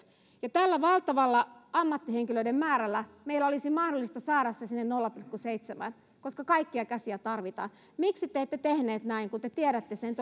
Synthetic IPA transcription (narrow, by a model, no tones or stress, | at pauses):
jɑt̪ælːæʋɑlt̪ɑʋɑlːɑɑmːɑt̪ːiheŋkiløidemmæːɾælˑːæmeilːæolisimɑhdolːist̪ɑsɑːɾɑsːɑsinːennolːɑpilkːuseit̪semæ̰n | koskɑkɑikːiɑkæsiæt̪ɑrʋit̪ɑ̰ːn | miksit̪eːt̪ːet̪ehneːt̪næiŋkut̪et̪ieɾæt̪ːesent̪